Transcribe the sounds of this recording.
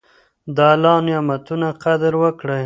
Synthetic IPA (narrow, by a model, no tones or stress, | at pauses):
d̪ɑlɑnjɑmat̪unaqad̪ɾwəkɽəj